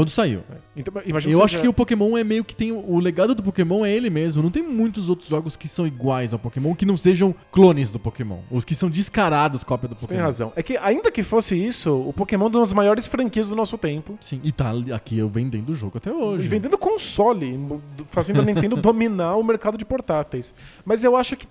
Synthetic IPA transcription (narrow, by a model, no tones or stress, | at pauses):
ɐ̃d̪ʊsaḭwɛ̰ẽt̪ɐ̃imaʒĩnewaʃʊkɪʊpokemõw̃ɛmejʊkɪ̥t̪ẽj̃ʊʊleɡad̪ʊd̪ʊp̬okemɐ̃w̃ɛelɪmezmʊnɐ̃w̃t̪ẽj̃mũj̃t̪ʊzowt̪ɾʊzʒɔɡʊskɪsɐ̃w̃iɡwajzawpokemɐ̃w̃kɪnɐ̃w̃seʒɐ̃w̃klõnɪzd̪ʊpokemɐ̰̃w̃ʊskɪsɐ̃w̃d͡ʒiskaɾad̪ʊskɔpjɐd̪ʊpokt̪ẽẽhazɐ̰̃w̃ɛkɪaĩnd̪ɐkɪfosɪisʊʊpokemɐ̃w̃ɛũɐzmajɔɾɪsfɾɐ̃ŋkiɐzd̪ʊnɔsʊt̪ẽmpʊsĩɪt̪aa̰kiewvẽnd̪ẽnd̪ʊʊʒo̰ɡʊat̪ɛoʒɪɪvvẽnd̪ẽnd̪ʊkõsɔlɪfasĩanẽẽd̪̃ʊd̪ominaɾʊmeɾkad̪ʊd͡ʒɪpoɾt̪at̪ejsmɐzewaʃʊkɪ̥